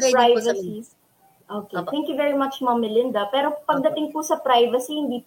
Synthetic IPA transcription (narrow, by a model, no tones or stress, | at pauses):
pɾajvɐsi | ʔoːket̪ɛ̃ŋkjuvɛɹimɐt͡ʃmɐmːɛlɪnd̪ɐpɛːɾopɐɡ̚d̪ɐt̪ɪŋpʊsɐpɾajvɐsihɪnd̪iːp